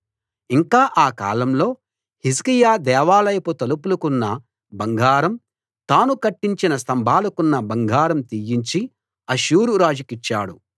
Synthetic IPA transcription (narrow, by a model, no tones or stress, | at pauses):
iŋkaːʔaːka̰ːlɐmlo̞ː | his̬kijaːd̪ɛːʋaːlɐjɐput̪ɐlupulukunːɐ | bɐŋɡʱaːɾɐm | t̪aːnukɐʈːiɲt͡ʃinɐst̪ɐmbʱaːlɐkunːɐbɐŋɡʱaːɾɐmt̪ijiɲt͡ʃi | ɐʃuːɾuɾaːd͡ʒikit͡ʃːa̰ːɽṵ